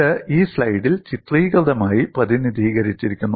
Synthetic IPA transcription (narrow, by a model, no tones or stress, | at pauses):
ɨiːslɐjɽilt͡ɕit̪riːɡɐʋd̪ɐmaːjiprɐðinid̪ʱiːɣɐɾit͡ɕːiɾikʲːunːu